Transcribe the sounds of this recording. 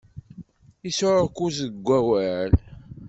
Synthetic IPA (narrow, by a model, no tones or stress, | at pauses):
isoɾkuzəɡʷːæwæl